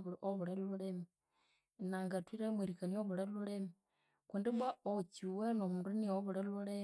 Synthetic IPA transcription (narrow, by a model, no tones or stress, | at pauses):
βuɾiʔoβuɾeluɺemi | naŋɡatwiɾemweɾikanioβuɾelulemi | kundibaot͡ʃiwenomundunioβuɾeluɾe